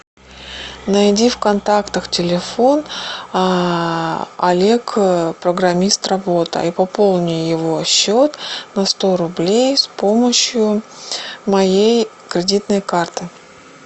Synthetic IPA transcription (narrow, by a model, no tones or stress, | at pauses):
nɐjdʲifkɐnt̪akt̪əxtʲɪlʲɪfo̞n | ɐlʲe̞kpɾəɡɾɐmʲist̪rɐbo̞t̪ə̰ipɐpo̞lˠnʲɪjjɪvo̞ɐɕːo̞t̪nɐst̪o̞ɾʊblʲejspo̞məɕjʊ | mɐjej | kɾʲɪdʲit̪nəjkart̪ɨ